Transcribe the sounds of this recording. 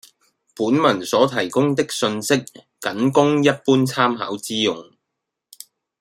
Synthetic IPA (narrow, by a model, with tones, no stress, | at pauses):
puː˨˥nmɐ˨˩nsɔː˨˥t̪ʰɐ˨˩jkʊ˥ŋt̪ɪ˥k̚sɵ˧nsɪ˥k̚ː | ɐ˨˥nkʊ˥ŋjɐ˥t̚puː˥nt͡sʰaː˥mɦa̰ː˨˥wt͡siː˥jʊ˨˩ŋ